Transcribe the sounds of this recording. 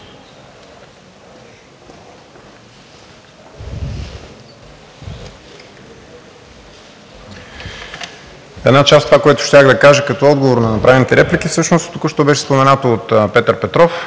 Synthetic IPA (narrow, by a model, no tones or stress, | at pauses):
ɛd̪nat͡ʃast̪ovakojɛt̪ʊ̥ʃt̪ʲaxd̪ɐkaʒɛkɐt̪ɔɔd̪ɡovoɾnɐnɐpɾavɛnit̪ɛɾɛplikifsɤʃnost̪t̪okuʃt̪obɛʃɛ̥spomɛnat̪oot̪pɛt̪əɾpɛt̪ɾɔf